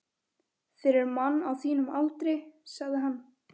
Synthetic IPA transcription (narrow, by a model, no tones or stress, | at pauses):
fɪɾɪɾmanːawθiːnʏmalt̪ɾɪsaɣðɪɦanː